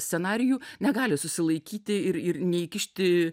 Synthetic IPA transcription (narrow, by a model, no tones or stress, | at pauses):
sʲt̪ʲsʲɛnɑːɾʲɪjuːnʲɛɡɑːlʲɪsʊsʲɪlˠɐɪkʲiːt̪ʲɪɪɾɪɾnʲɛikʲɪʃʲt̪ʲɪ